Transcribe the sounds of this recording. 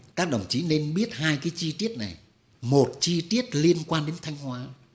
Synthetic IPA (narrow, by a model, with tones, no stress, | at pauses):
kaː˦˥k̚ɗə˨˩wŋ͡mt͡ɕi˨˦ne˧nɓi˦˥ət̚haː˧jkaː˨˦jt͡ɕi˧t̪i˦˥ət̚na˨˩j | mo˨˩t̚t͡ɕi˧t̪i˦˥ət̚li˧ənkwaː˧nɗe˨˦nt̪ʰa˧jŋ̟hwaː˨˦